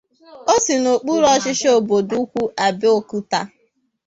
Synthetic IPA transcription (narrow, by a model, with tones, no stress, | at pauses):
o˦sɪ˨no˨k͡pu˦ɾɔ˦t͡ʃɪ˦ʃe˦o˨bo˨du˦kʷu˦ʔa˨bɪ˦o˨ku˦ta˦